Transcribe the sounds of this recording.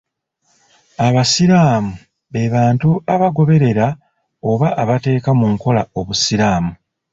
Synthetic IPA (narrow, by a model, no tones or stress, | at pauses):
aβasiɾaːmu | βe̞βaːntuaβaɡo̞βe̞ɾe̞ɾa | o̞βaʔːβate̞ːkamuŋko̞lao̞βusiɾaːmu